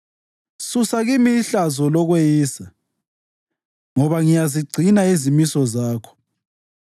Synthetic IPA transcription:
susaɣimiɬazɔlɔɣwejiːsa | ŋɔβaŋijaziɡ͡ǀʱinaezimisɔzaːkʰɔ̥

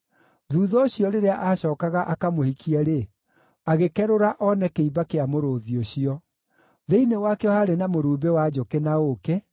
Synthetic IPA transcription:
ðuːðɔɕiɔɾeɾeaʔaɕɔːkaɣaʔakamohikʰiɛɾe | aɣekɛɾoɾaʔɔnɛkeiβakeamoɾoːðioɕiɔ | ðeinewakɛɔhaɾenamoɾuːbewad͡ʑokenaoke

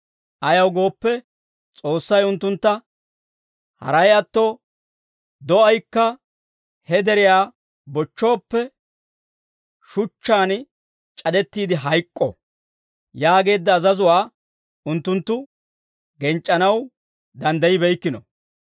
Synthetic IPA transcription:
ʔɐjɐwɡo̞ːpːɛ | t͡sʼo̞ːsːɐjʊnt̪ːʊnt̪ːɐ | hɐ̰ɾɐjɐt̪ːo | d̪ɔɐjkːɐ | hɛd̪ɛɾɪjaː | bɔt͡ʃːo̞ːpːɛ | ʃʊt͡ʃːaːn | t͡ʃʼɐd̪ɛt̪ːiːd̪ɪɦɐjkʼːɔ̰ | jaːɡe̞ːd̪ːɐːzɐzʊwaː | ʊnt̪ːʊnt̪ːʊ | ɡɛnt͡ʃʼːɐnɐw | d̪ɐnd̪ɐjɪbɛjkːɪnɔ̰

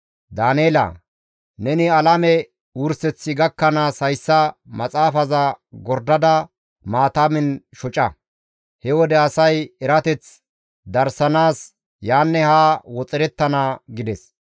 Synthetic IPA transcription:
d̪aːneːlɐ̰ | nɛnɪɐlɐmɛ | ʊɾsɛt͡sːɪɡɐkːɐnaːshɐjsːɐmɐt͡sʼaːfɐzɐɡɔɾd̪ɐd̪ɐ | maːt̪aːmɪnʃɔt͡ʃʼɐ | hɛwɔd̪ɛɐsɐjɛɾɐt̪ɛt͡s | d̪ɐɾsɐnaːs | jaːnːɛhaːwɔt͡sʼɪɾɛt̪ːɐnaɡɪd̪ɛs

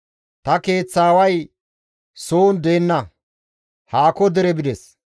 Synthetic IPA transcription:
t̪ɐke̞ːt͡sːaːwɐj | soːnd̪eːnːɐ | haːkɔd̪ɛɾɛbɪd̪ɛs

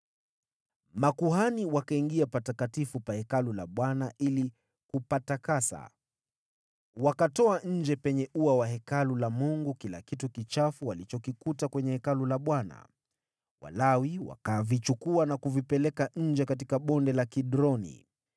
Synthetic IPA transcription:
makuɦaniwakaiŋɡiapatakatifupahɛkalulaɓwanaʔili | kupatakasa̰ | wakatɔaɲ̩d͡ʒɛpɛɲɛuawahɛkalulamuŋɡukila̰kitukit͡ʃafuwalit͡ʃɔkikutakwɛɲɛhɛkalulaɓwana̰ | wa̰lawiwa̰kavit͡ʃukuanakuvipɛlɛkaɲ̩d͡ʒɛkat̬ikaɓɔndɛlakiɗɾɔnḭ

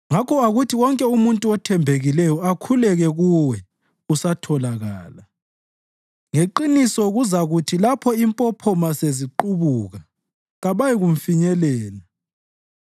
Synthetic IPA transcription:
ŋakʰɔaɣutʰiɣɔŋkʼɛumuntʼuɔtʰɛmbʱeɣilɛjɔakʰulɛɣɛɣuwɛ | usatʰɔlaɣa̰ːla | ŋeǃinisɔɣuzaɣutʰilapʰɔimpʼɔpʰɔmaseziǃuβuɣa | ɣaβajiɣuɱ̩fiɲɛlɛːla

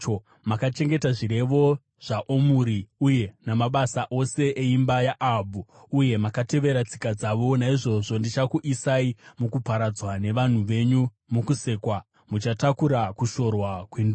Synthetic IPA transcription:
o | makat͡ʃe̞ŋɡe̞taʐiɾe̞ʋo̞ | ʐ̥aʔomuɾiuje̞namaɓasaʔo̞se̞ʔeimbajaʔabʱu | uje̞makate̞ʋe̞ɾat͡si̥kad͡zaʋo̞naiʐo̞ʐo̞ndit͡ʃakuʔisaimukupaɾad͡zwane̞ʋan̤uʋe̞ɲu | mukuse̞ːkwa | mut͡ʃatakuɾakuʃo̞rwakwendu

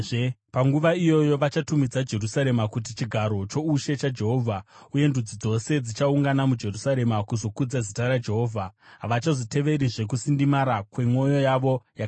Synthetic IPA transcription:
paŋɡuʋaijo̞jo̞ʋat͡ʃatumid͡zad͡ʒe̞rusaɾe̞makut̬it͡ʃiɡʱaɾo̞t͡ʃo̞uʃe̞t͡ʃad͡ʒe̞ɦo̞vʱauje̞ndud͡zid͡zo̞se̞d͡zit͡ʃauŋɡanamud͡ʒe̞rusaɾe̞makuzo̞kud͡zazitaɾad͡ʒe̞ɦo̞ːvʱaɦaʋat͡ʃazote̞ʋe̞ɾiʐe̞k̬usindimaɾakwe̞mo̞jo̞jaʋo̞jak

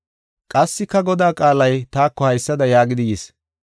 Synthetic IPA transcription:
kʼɐsːɪkːɐɡɔd̪aːkʼaːlɐjt̪aːkːɔhɐjsːɐd̪ɐjaːɡɪd̪ɪjes

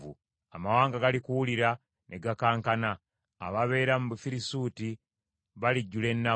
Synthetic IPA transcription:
ṵ | amawaːŋɡaɡalikuwuliɾa | nʔe̞ɡakaːŋkana̰ː | βaβe̞ːɾamuβufiɾisuːti | βaliɟːule̞nːa

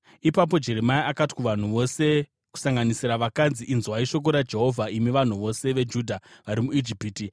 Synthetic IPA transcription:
ipap̬o̞d͡ʒe̞ɾe̞maiʔakati̥kuʋan̤uʋo̞se̞ | ku̥saŋɡanisiɾaʋakad͡ziʔinzuaiʃo̞k̬o̞ɾad͡ʒe̞ɦo̞vʱaimiʋan̤uʋo̞se̞ʋe̞d͡ʒuːdʱaʋaɾimuid͡ʒipiːti

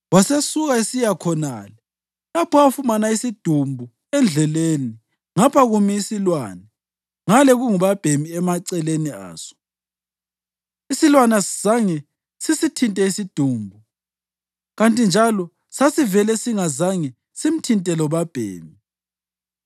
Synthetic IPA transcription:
wasesuɣaisijakʰɔna̰lɛ | lapʰɔafumanaisid̥ʱumbʱu | ɛnd͡ɮʱɛleːni | ŋapʰaɣumiisilwaːnɛ | ŋalɛɣuŋuβab̥ʱemiɛmaǀɛlenia̰ːsɔ̥ | isilwanasiz̥aŋɛ | sisitʰintʼɛisid̥ʱuːmbʱu | ɣantʼind͡ʒʱalɔ | sasivɛlɛsiŋazaŋɛ | sim̩tʰintʼɛlɔβab̥ʱḛːmi

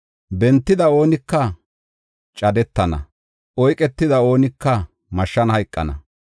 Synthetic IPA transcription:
bɛnt̪ːɪd̪ɐoːnɪkːɐ | t͡ʃʼɐd̪ɛt̪ːɐnɐ̰ | ʔɔjkʼɛt̪ːɪd̪ɐo̞ːnɪkːɐ | mɐʃːɐnhɐjkʼːɐ̰nɐ̰

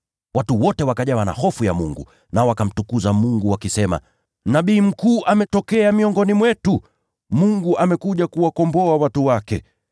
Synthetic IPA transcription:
watuwɔtɛwakaʄawana̰hɔfujamuŋɡṵ | naɔwakam̩tukuzamuŋɡuwakisɛma̰ | naɓiːm̩kuːʔamɛtɔkɛamiɔŋɡɔnimwɛtu | muŋɡuʔamɛkuʄakuwakɔmbɔawatuwakɛ̰

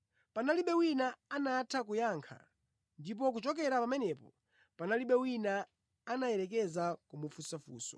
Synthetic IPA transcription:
panaliɓɛwinaanatʰak̬ujaːŋkʰa̰ | ndip̬ɔk̬ut͡ʃɔk̬ɛɾapamɛnɛpɔ | panaliɓɛwinaː | najɛɾɛk̬ɛzakumufusafṵːsɔ̥̰

